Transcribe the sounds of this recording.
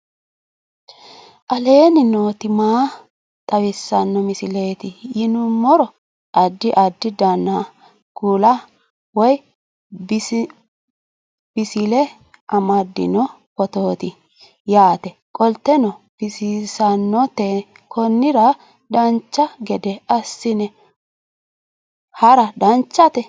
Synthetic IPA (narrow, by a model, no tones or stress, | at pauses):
ʔɐle̞ːnɪnoːt̪ɪmaː | t̪ʼɐwɪsːɐnːɔmɪsɪle̞ːt̪ɪjɪnʊmɔɾɔ | ɐd̪ːɪʔɐd̪ːɪd̪ɐnːa | kuːlɐ | wɔj | b | b̥ɪsɪlɛ | ʔɐmɐd̪ːɪ̰nɔ | pɔt̪oːt̪ɪ | jaːt̪ɛkʼɔlt̪ːɛnɔb̥ɪsɪsɐnːɔt̪e | kʰɔnːɪɾɐ | d̪ɐnt͡ʃːɐɡɛd̪ɛɐsːɪnɛ | hɐɾɐdɐnt͡ʃːɐt̪ɛ